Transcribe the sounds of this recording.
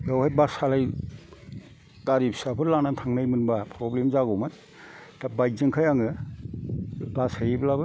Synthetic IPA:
jawhajbasalaj | taɾip̚sapʰɯɾlanatʰaŋnajmɯnbapʰɾɔblemzaɡɔmɯt | tabajzɯŋkʰajaŋɯ | basajiblabɯ

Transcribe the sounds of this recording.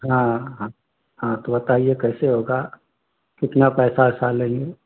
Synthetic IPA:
ɦãːɦã | ɦãt̪obɐt̪aːiekɛːseɦoːɡa | kɪt̪napɛːsasalẽŋɡe

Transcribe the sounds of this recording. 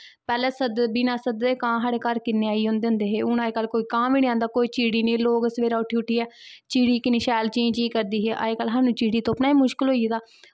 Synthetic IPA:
pɛːlɛːsəd̪biːnaːsəd̪eːkãːɦaɽeːkəɾkɪneːaːiːɦʊ̃ːnd̪eːɦʊ̃nd̪eːɦeːʊnaːekəlkoːiːkãːʋiːniãːnd̪aːkoːiːt͡ʃiːɽiːnẽːloːɡsəʋeːɾaːʊʈʰːiːʊʈʰːiːɛːt͡ʃiːɽiːkɪniːʃɛːlt͡ʃẽːd͡ʒiːkəɾd̪iːɦeːʔa̰ːekəlːɦaːnũːt͡ʃiːɽiːt̪oːpnaːiːmʊʃkɪlɦoːiːd̪aː

